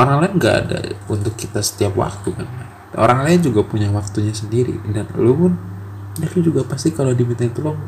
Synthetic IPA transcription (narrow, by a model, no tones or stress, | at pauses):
oɾaŋlaɪnɡaʔːda̰unt̪ʊkːit̪asə̥t̪iapwa̰k̚t̪ukana | o̰ɾaŋlajɪnd͡ʒuɡapuɲawak̚t̪uɲasəndiɾḭdanlumʊn | dakid͡ʒuɡapast̪ikalodimint̪ant̪ulɔŋ